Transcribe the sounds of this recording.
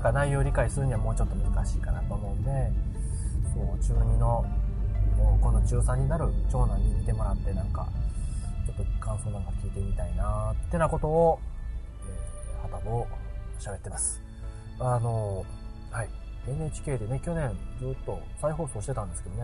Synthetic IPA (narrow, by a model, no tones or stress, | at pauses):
nãŋkanaijo̞ːɾʲikaisɨɾɯ̟ɲ̟iβamo̞ːt͡ɕo̞t̪ːo̞mɯ̟zɨkaɕiːkanat̪o̞ːmo̞ɯ̃nd̪e̞ | soːt͡ɕɨːɲ̟ino̞ | oːko̞not͡ɕɨːsãɲ̟ːinaɾɯ̟t͡ɕo̞ːnaɲ̟ːimʲit̪e̞mo̞ɾat̪ːe̞nãŋka̰ | t͡ɕo̞t̪ːo̞kʰãɰ̃soːnãŋkakʲiːt̪e̞mʲit̪ainat̪ːe̞nako̞t̪o̞ː | eoohat̪aboɕabe̞t̪ːe̞masɨ̥ | ano̞ | hai | e̞neːt͡ɕi̥kʲe̞ːd̪e̞ne̞kʲo̞nẽ̞nd͡zɨːt̪ːo̞saiɦo̞ːsoːɕi̥t̪et̪ãnd̪e̞sɨ̥ke̞d̪o̞ne